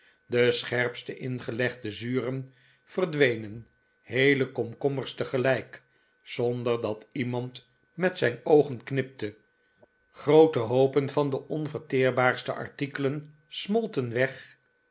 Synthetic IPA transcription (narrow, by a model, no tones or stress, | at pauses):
dəsχɛrpstəʔɪnχəlɛχdəzyːrən | v̥ərdʋejnən | hejləkɔmkɔməɹstəχəlɛjk | sɔndəɹdɑtimɑnt | mɛtsɛjnowχənknɪp̚tə | χrowtəɦowpənvɑndəʔɔnvəɹtɪːɹbaːɹstə̰ʔɑ̰ɹtikələn | smɔlˠtənʋɛχ